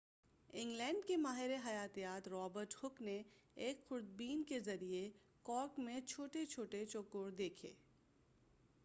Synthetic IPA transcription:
ɪ̃ŋɡlɛ̃ːɳɖkemaːɦɪɾeɦɐjaːt̪ijaːt̪ɾɔːbəɾʈhʊkneeːkxʊɾd̪̚biːnkezɐɾie | kɔːkmẽt͡ʃʰoːʈet͡ʃʰoːʈet͡ʃoːkoːɾd̪eːkʰḛː

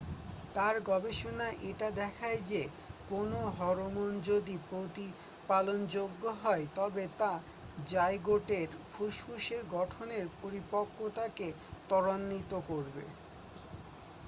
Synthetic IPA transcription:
t̪aɾɡɔbeʃonaʔeʈad̪ɛkʰaed͡ʑe | konoɦɔɾomond͡ʑod̪ipɾot̪i | palond͡ʑoɡːoɦɔet̪ɔbet̪a | d͡ʑajɡoʈeɾfʰuʃkuʃeɾɡɔʈʰoneɾpoɾipokʰːot̪ake | t̪ɔɽanːit̪okoɾbḛ

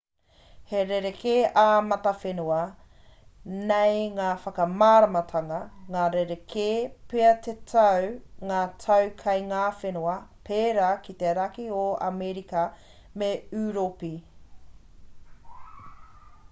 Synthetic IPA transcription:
heɾeɾekʰeaːmɐt̪ɐfenuɐ | nejŋaːfɐkɐmaːɾɐmɐtʰɐŋɐŋaːɾeɾekʰepeɐt̪etʰɐwŋaːtʰɐwkʰɐjŋaːfenuɐpʰeːɾakit̪eɾɐkioɐ̰meɾikɐ | meʉːɾopi

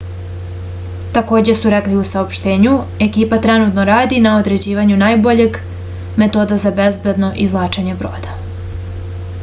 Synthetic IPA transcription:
t̪ako̞ːd͡ʑe̞suɾɛkliusaopʃt̪e̞ːɲu | e̞kiːpat̪ɾenut̪no̞ɾaːd̪inao̞d̪ɾe̞d͡ʑiːʋaɲunaːjbo̞ʎe̞ɡ | me̞t̪o̞ːd̪azabezbed̪no̞ʔizlˠaːt͡ʃaɲe̞bɾo̞̰ːd̪a

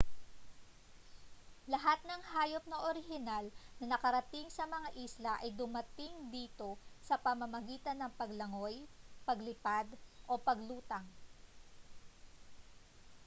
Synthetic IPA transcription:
lɐɦat̪̚nɐŋhaːjop̚nɐʔoɾɪɦɪnalnɐnɐkɐɾɐt̪ɪŋsɐmɐŋaʔiːslɐʔɐjd̪ʊmɐt̪ɪŋd̪iːt̪o̞sɐpɐmɐmɐɡiːt̪ɐnːɐŋpɐɡlɐŋo̞jpɐɡlɪpad̪ʔo̞pɐɡluːt̪ɐŋ

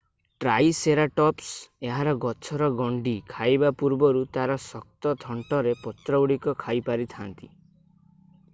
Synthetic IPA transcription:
ʈɾajseɾaʈɔpseɦaɾɔɡɔt͡ʃʰɔɾɔɡɔɳɖikʰajbapuɾbɔɾut̪aɾɔsɔk̚t̪ɔt̪ʰɔɳʈɔɾepɔt̪ɾɔwɽikɔkʰajpaɾit̪ʰant̪i

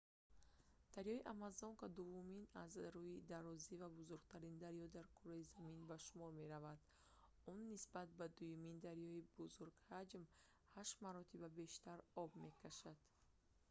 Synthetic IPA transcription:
d̪̥aɾjɔiʔamazɔŋkɔd̪uvuminazɾuid̪aɾɔzivabuzuɾɡ̚t̪ʰaɾind̪aɾjɔd̪aɾkʰɔɾɔizaminbaʃumɔɾme̞ɾavad̪̥ | unːisbat̪̚bad̪ujumind̪aɾjɔibuzuɾɡhad͡ʒm | haʃmaɾɔt̪ʰibabe̞ʃt̪aɾɔbme̞kʰaʃad̪̥

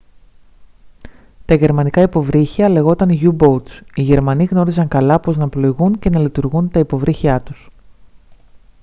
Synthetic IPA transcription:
t̪ɐʝe̞ɾmɐnikɐipo̞vɾiçiɐle̞ɣo̞t̪ɐniʝubo̞t̪siʝe̞ɾmɐniɣno̞ɾisɐŋkɐlɐpo̞znɐplo̞iɣunce̞nɐlit̪uɾɣunt̪ɐipo̞vɾʔiçiɐt̪u̥s

